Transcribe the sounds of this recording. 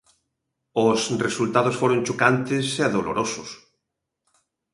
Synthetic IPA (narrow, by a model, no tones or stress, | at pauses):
ʊsresult̪aðʊsfoɾont͡ʃokant̪ɪsɛðolo̰ɾʔosʊs